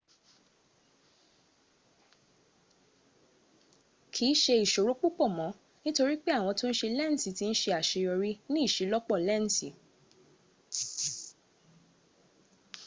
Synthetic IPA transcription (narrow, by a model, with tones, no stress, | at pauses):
kʰi˨˦ʃe˧i˨ʃo˨ɾo˨˦k͡pu˦k͡pɔ˦˨mɔ̃˨˦ | nĩ˦to˧ɾi˦k͡pe˦a˦˨w̃ɔ̃˧to˦n̩˦ʃe˧lɛ˦˨n̩˨si˨˦ti˧˦n̩˦ʃe˧a˨ʃe˧jɔ˧ɾi˦nĩ˦˨ʃe˨˦lɔ˦k͡pɔ˦˨lɛ˦˨n̩˨si˨˦